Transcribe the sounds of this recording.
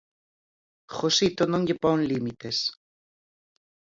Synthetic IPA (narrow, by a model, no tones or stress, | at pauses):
xosit̪onõŋʎepoŋlimit̪es